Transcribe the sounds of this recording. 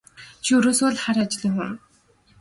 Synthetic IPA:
t͡ɕʰiɵɾoːsoːɮχaɾat͡ɕɪɮiːŋxuŋ

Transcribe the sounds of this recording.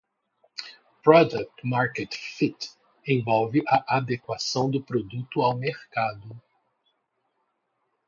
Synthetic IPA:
pɾɔd̪ɐk̚t̪maɾket̪fit̪ | ẽvɔwvɪʔaʔad̪ekwasɐ̃w̃d̪ʊpɾod̪ut̪ʊawmeɾkad̪ʊ

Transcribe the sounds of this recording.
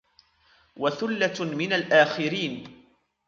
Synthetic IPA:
waθʊlːamɪnalʔaːxɪɾiːn

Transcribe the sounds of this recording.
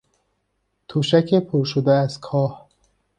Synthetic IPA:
t̪ʰoʃæcʰepʰoɾʃod̪eæzkʰɒːh

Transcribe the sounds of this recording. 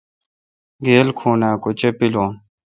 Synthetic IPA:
ɡeːlkʰuːnaːkot͡ɕepilõː

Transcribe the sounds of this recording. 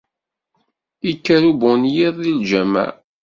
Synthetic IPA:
ikːæɾubʊnjiðˤild͡ʒæmæ̰

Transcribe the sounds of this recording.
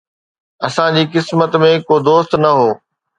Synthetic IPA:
ɐsãd͡ʑiːkɪsmət̪mẽkoːd̪oːst̪nɐɦoː

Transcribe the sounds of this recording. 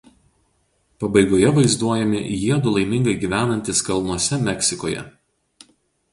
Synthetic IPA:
pɐbɐɪɡoːjɛʋɐɪzd̪uɔjɛmʲɪ̰jiɛd̪ʊlˠɐɪmʲɪ̃ŋɡɐɪɡʲiːʋʲæːnɐnʲt̪ʲɪskɐlˠnuɔsʲɛmʲɛkʲsʲɪkoːjɛ̰

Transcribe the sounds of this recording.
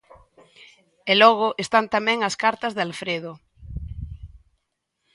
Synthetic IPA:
elɔɣ̞oʔest̪ant̪amẽŋaskaɾt̪azðealfɾeð̞o

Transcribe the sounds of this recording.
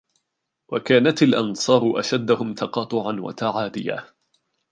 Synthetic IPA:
wakaːnat̪alʔɑnsˤɑːɾʊʔaʃad̪ːʊhʊmt̪ɑqɑːt̪ˤʊʕanwa̰t̪aʕaːd̪ɪja̰ː

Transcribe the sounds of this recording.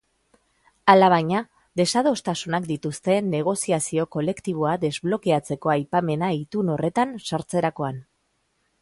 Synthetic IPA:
alaβ̞ajɲa | d̪e̞sað̞o̞st̪asunakd̪it̪ust̪e̞nːe̞ɣ̞o̞siasio̞ko̞le̞kt̪iβ̞o̞ad̪e̞zβlo̞keat͡se̞ko̞ajpame̞nait̪uno̞re̞t̪ansaɾt͡se̞ɾako̞an

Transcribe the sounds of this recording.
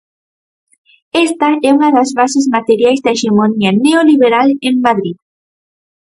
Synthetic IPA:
est̪aɛunaðazβasezmat̪eɾjajzd̪aeʃemonianeoliβeɾalemːaðɾið

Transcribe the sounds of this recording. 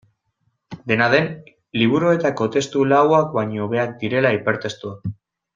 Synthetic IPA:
d̪e̞nað̞e̞n | liβ̞uɾoe̞t̪ako̞t̪e̞st̪ulawak̚baɲo̞βe̞ak̚d̪iɾe̞laipe̞ɾt̪e̞st̪ua

